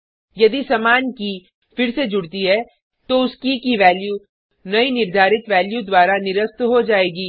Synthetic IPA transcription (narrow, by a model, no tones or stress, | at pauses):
jɐd̪isɐmaːnki | fɪɾsed͡ʒʊɽt̪iɦɛ | t̪oʊskikiʋɛːlju | nɐinɪɾd̪ʱaːɾɪt̪ʋɛːljud̪waːɾanɪɾəst̪ɦod͡ʒaːeːɡiː